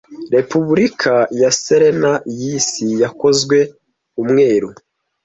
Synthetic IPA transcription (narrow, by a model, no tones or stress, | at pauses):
ɾe̞puβuɾikʰajaseɾenajisijako̞zɡwe̞ | umŋe̞ːɾu